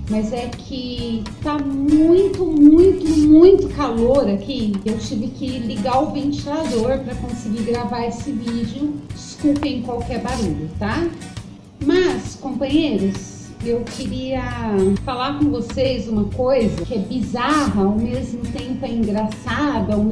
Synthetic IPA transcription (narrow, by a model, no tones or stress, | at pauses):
mɐzɛkʰɪt̪amũj̃t̪ʊmũj̃t̪ʊmũj̃t̪ʊkaloɾakʰiewt͡ʃivɪkɪliɡawvẽnt͡ʃilad̪oɾpɾɐkõsɪɡiɾɡɾavaɾesɪvid͡ʒɪʊd͡ʒɪskupẽj̃kwawkɪɛɾbaɾuʎʊt̪a | mɐskõpɐ̃ɲejɾʊs | ewkɪɾiɐfalaɾkõvosejzũmɐkojzɐkɪɛbizaɦɐawmezmʊt̪ẽmpʊɛĩŋɡɾasad̪ɐ